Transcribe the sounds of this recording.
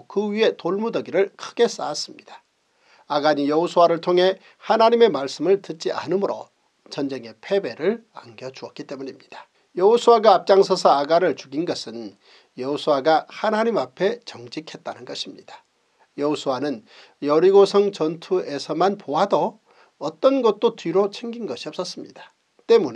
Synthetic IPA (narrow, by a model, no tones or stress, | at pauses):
kɯɥie̞toɭmudʌɡiɾɯɭkʰɯɡe̞s͈a̰ːs͈ɯmɲid̥ḁ | aɡaɲijʌɦosʰuwaɾɯɭtʰoŋɦe̞ | hanaɲime̞maɭs͈ɯmɯɭtɯt̚t͡ɕ͈iʔa̰nɯmɯɾo̰ | t͡ɕʌnd͡ʑe̞ŋe̞pʰe̞be̞ɾɯɭaŋɡjʌd͡ʑuʌk͈it͈e̞muɲimɲid̥ḁ | jʌosʰuwaɡaːp̚t͡ɕ͈aŋsʰʌsʰʌaɡaɾɯɭt͡ɕuɡinɡʌsʰɯn | jʌosʰuwaɡahanaɲimapʰe̞t͡ɕʌŋd͡ʑikʰe̞t̚t͈anɯnɡʌɕʰimɲid̥ḁ | jʌosʰuwanɯn | jʌɾiɡosʰʌŋt͡ɕʌntʰue̞sʰʌmanpoɦado | ʌt͈ʌnɡʌt̚t͈otɥiɾot͡ɕʰe̞ŋɡinɡʌɕʰiʌp̚s͈ʌs͈ɯmɲḭd̥ḁ | t͈e̞mune